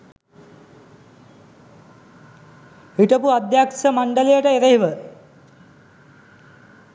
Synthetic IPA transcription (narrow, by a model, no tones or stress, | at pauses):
ʋiʈəpuad̪jaksəmaɳɖəlejəʈəeɾeɦiʋə